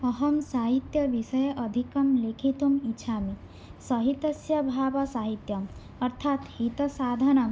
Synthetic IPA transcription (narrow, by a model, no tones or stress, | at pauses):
ʌɦɐmsaɦit̪jɐʋiʃɐjʔɐd̪ʱikɐmlekʰit̪umitːʃʰami | sɐɦit̪ɐsjɐbʱaːbasaːɦit̪jɐ | ɐɾt̪ʰaːt̪hit̪ɐsad̪ʱɐnɐm